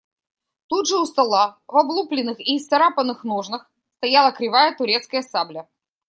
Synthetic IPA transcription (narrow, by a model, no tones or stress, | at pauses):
t̪ud̪ʐɨʊst̪ɐlˠavɐblˠuplʲɪnːɨxiːsɐɾapənːɨxnoʐnɨx | st̪ɐjalˠəkɾʲɪvajət̪ʊɾʲet̪skəjəsablʲə